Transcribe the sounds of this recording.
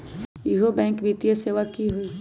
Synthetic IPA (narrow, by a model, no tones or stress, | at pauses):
jiɦobɛ̃ːŋkʋit̪ijəseːʋakiɦoi